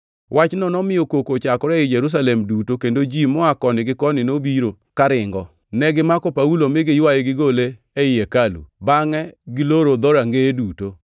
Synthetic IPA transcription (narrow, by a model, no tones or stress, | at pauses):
wʔat͡ʃnɔnɔmɪjokokot͡ʃakɔɾɛɪd͡ʒeɾus̬alɛmdutokendod͡ʒimɔakɔnɪɡɪkɔnɪnobiɾo | kaɾɪŋɡɔ | nɛɡɪmakɔpaulomɪɡɪjwajeɡɪɡole | ɛɪjɛkalṵbaŋɛɡɪloɾod̪ɔɾaŋɡeduto